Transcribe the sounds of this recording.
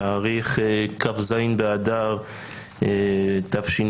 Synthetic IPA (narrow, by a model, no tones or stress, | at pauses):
ʁiχkafzajnbead̪aʁ | t̪afʃin